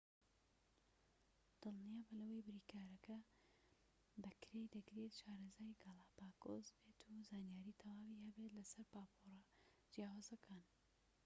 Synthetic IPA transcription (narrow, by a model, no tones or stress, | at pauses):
d̪̥ɨlˠnijaːbɐlɐwɐjbɪɾiːkʰaːɾɐkɐ | bɐkɾejd̪ɐɡɾet̪ʃaːɾɐzaːjɡɑlˠapaːkozbe̞ːt̪ʰuzaːnjaːɾiːt̪ʰɐwaːwihɐbet̪lɐsɐɾpaːpʰorɐ | d͡ʒijaːwaːzɐkʰan